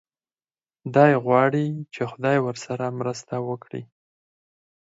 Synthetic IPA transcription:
d̪ɑjɣwɑɽit͡ʃexʊd̪ɑjwəɾsaɾamɾəst̪awəkɽḭ

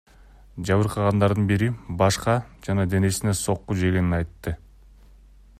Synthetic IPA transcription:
d͡ʒɑβɯɾqʰɑʁɑnd̪ɑɾd̪ɯnbiɾibɑʃqɑd͡ʒɑnɑd̪e̞ne̞sine̞so̞qːud͡ʒe̞ɡe̞ninɑjt̪ːɯ

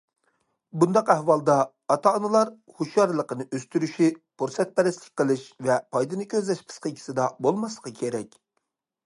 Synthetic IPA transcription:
bund̪ɑqæhwɑlˠd̪ɑː | t̪ʰɑnɨlˠɑɾ | huʃjɑɾlˠəqənɨʔøst̪yɾyʃipʰuɾsɛt̪̚pɛɾɪslɪk̚ʲqʰəlˠɨʃvɛpʰɑjd̪ɨnɨkʲʰøzlɛʃpʰɨ̥sqəkʲʰi̥sɪd̪ɑbolˠmɑslˠə̥qʰəkʲʰeɾɛkʲ

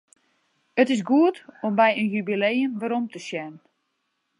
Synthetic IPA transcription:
ətɪsɡuətombɛjənjybilejənʋəɾomtəsjɛnn

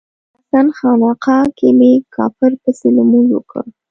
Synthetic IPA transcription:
asɑnxɑnɑqɑkemekʰɑ̰fɪɾpəselamuɡwə̰kə̰

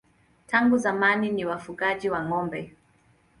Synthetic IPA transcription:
tʰaŋɡuzamaniniwafuɠaʄiwaŋɔmbɛ

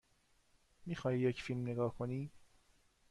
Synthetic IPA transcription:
miːxɒːhiːjecfilmneɡɒːhkʰoniː

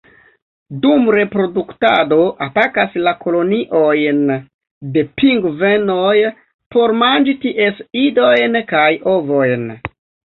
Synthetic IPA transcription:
dumɾe̞pɾo̞duktado̞ʔatakaslako̞lo̞niʔo̞jn | de̞piŋɡveno̞j | po̞ɾmand͡ʒitiʔe̞sido̞jnkajovo̞jn

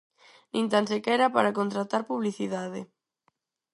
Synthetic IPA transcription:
nĩnt̪ansekɛɾapaɾakont̪ɾat̪aɾpuβliθiðaðe

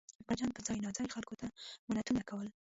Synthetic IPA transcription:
bad͡ʒɑnpəzɑjnɑd͡zɑjxalkot̪amʊnat̪unakawəl

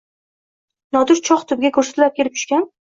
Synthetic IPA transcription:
nɒd̪ʊɾt͡ʃʰɒχt̪ʰʊb̚ɡʲakʰɵɾsḁt̪lap̚kʲeɾɪp̚t͡ʃʰʊ̥ʃkʲan

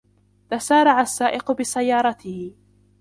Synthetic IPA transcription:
t̪asaːɾˤɑʕasːaːʔɪqʊbɪsajːɑːɾˤɑt̪ɪhɪ

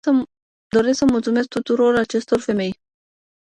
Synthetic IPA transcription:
d̪o̞ɾe̞sksəmult̪sume̞sk̚t̪ut̪uɾo̞rat͡ʃe̞st̪o̞rfe̞me̞j

